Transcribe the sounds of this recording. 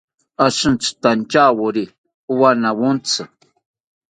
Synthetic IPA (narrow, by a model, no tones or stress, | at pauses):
aʃɨ̃nt͡sɨ̥t̪ant͡ʃawuɾi | uwanawunt͡sɨ